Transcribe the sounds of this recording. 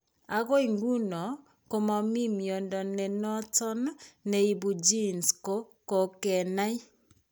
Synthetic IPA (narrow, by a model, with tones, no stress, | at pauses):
a˨ɣo˦i˨ŋɡu˦nɔ˨ | ko˨ma˨mi˦mjɔ˨ndɔ˨nɛ˨nɔ˦tɔ˦nːɛ˨i˨bu˨d͡ʒi˦nsko˦ | ko˨kɛ˨na˦i˦